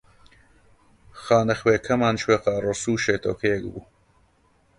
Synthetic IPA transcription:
xaːnɐxweːkʰɐmaːnʃweːqɑːrosuːʃeːt̪ʰo̰wkʰɐjɛk̚bṵː

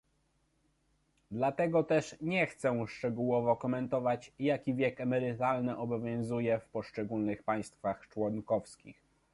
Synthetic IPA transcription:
d̪lat̪ɛɡɔt̪ɛʂɲɛxt̪sɛ̃ʂt͡ʂɛɡuwɔvɔkɔmɛnt̪ɔvat͡ɕjakʲivʲjɛkɛmɛɾɘt̪alnɘʔɔbɔvʲjɔ̃w̃zujɛfpɔʂt͡ʂɛɡulnɘxpaj̃st̪faxt͡ʂwɔŋkɔfskʲḭx

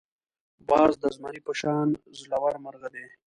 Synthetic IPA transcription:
bɑːzd̪əzmaɾipəʃɑːnzlawaɾmaɾɣad̪e

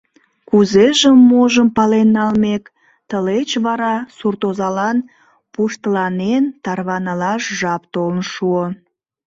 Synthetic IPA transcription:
kuzeʒəmːoʒəmpɑlenːɑlmek | t̪əlet͡ɕβɑɾɑsurt̪ozɑlɑn | puʃt̪əlɑnent̪ɑrβɑnɑlɑʃʒɑpt̪olnʃuo

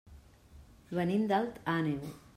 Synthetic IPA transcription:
βənind̪alt̪anew

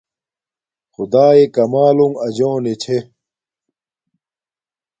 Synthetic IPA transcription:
xud̪aːekɐmaːluŋɐd͡ʑoːnet͡ɕʰe

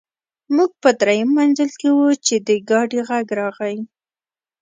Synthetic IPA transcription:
muɡ̚pəd̪ɾajamːanzəlkewut͡ʃed̪əɡɑɖiɣaɡɾɑɣawi

